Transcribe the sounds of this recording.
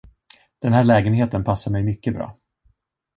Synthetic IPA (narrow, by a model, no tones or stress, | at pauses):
d̪̥ɛnɦæːɭɛːɡənɦeːt̪ənpʰasːaɾmɛjmʏkːəbɾɑ̰ː